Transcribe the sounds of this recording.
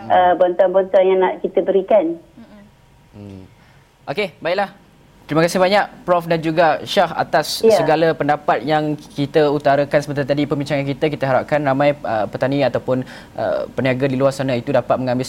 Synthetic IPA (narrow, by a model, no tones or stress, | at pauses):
əbɔnt̪ɔnbɔnt̪ɔnjaŋnaʔkit̪əbəɾikan | ʔokebaɪʔ̚lah | t̪əɾiməkasɪhbaɲaʔpɾɔfdand͡ʒuɡaʃaha̰t̪asːəɡaləpəndapat̪̚jaŋkit̪əut̪aɾakansəbət̪at̪adipəmbiɲt͡ʃaŋankit̪əkit̪əɦaɾap̚kanramãjəpət̪anĩat̪awpʊn | ʔə̰pəniaɡadiluarsanait̪udapat̪̚məŋãmbɪs